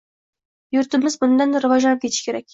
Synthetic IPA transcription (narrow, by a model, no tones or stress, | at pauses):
jʊɾt̪ɪmɪzbʊnd̪ɑnd̪aɾɨvɑʒɑnəp̚kʲe̞t̪ʰɪ̥ʃkʲʰeɾæk̚ʲ